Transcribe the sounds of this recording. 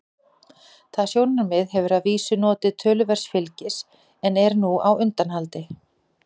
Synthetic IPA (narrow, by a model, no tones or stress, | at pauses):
θaðsjownaɾmɪðɦɛvʏɾaðviːsʏnɔːt̪ɪðt̪ʰœːlʏvɛr̥sfɪlcɪs | ɛnɛɾnuawʏnt̪anhalt̪ɪ